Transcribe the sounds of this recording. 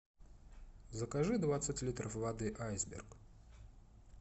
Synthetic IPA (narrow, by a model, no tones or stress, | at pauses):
zəkaʐɨd̪vat̪sɨtʲlʲit̪ɾəfvɐd̪ɨʔajzbʲɪ̰rk